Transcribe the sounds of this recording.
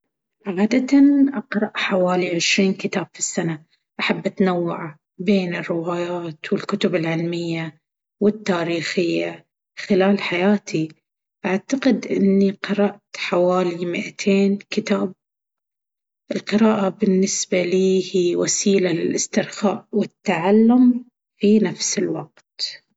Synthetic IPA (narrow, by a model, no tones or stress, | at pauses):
ʕʕaːd̪at̪anʔaqɾˤɑʔħawaːliʕɪʃɾiːnkɪt̪aːb̥fisːana | ʔaħabːʔat̪nawːaʕa | beːnɪrːɪwaːjaːt̪wɪlkʊt̪ʊbɪlʕɪlmɪjːa | wɪt̪ːaːɾiːxɪjːa | xɪlaːlħajaːt̪ʰi | ʔaʕt̪aqɪd̪ʔɪnːiqɑɾˤɑʔt̪ħawaːlimɪʔat̪ʰeːnkɪt̪aːb̚ | ʔɪlqɨɾaːʔabɪnːɪsbaliːhiːwasiːlalɪlʔɪst̪ɪɾxaːʔwɪt̪ːaʕalːʊm | finafsɪlwa̰q̚t̪